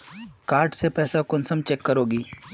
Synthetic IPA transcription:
kaːɾʈsepɛːsakʊnsəmt͡ʃɛkːəɾoːɡiː

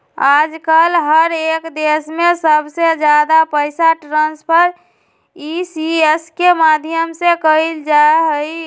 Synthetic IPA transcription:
ad͡ʒkəlɦəɾekd̪esmesəbʱsed͡ʒjad̪apəɪsaʈɾãnspʰəɾ | isieskemad̪ʱijəmsekəild͡ʒaeɦəi

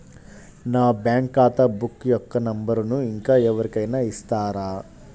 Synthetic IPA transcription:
naʋɐbjaːŋkaːt̪ɐbukːjɔkːɐnɐmbɐɾunuiŋkaɛʋɐɾikɐjnɐist̪aːɾaː

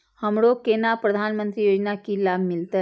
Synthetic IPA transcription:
həmɽokenapɾəd̪ʱanmənt̪ɾijod͡ʑnakilabʱmɪlt̪ə

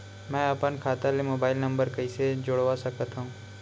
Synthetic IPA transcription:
mɛ̃ːəpənkʰaːt̪alimoːbaːɪlnə̃mbəɾkəised͡ʒoɽʋasəkət̪aɦũː

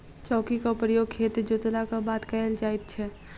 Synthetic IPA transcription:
t͡ʃɔːkikapɾjoːɡ̚kʰeːt̪d͡ʒot̪əlakabaːt̪kajəld͡ʒaːɪt̪̚t͡ʃʰɛ

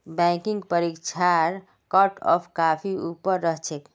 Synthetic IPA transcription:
bɛ̃kiŋɡpəɾikt͡ʃʰaɾ | kɔʈɔ̰pʰkapʰiupəɾːəɦt͡ʃʰek

